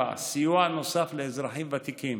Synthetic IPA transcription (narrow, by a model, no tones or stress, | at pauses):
a̰sijuano̞safleːzɾaħimvat̪ikim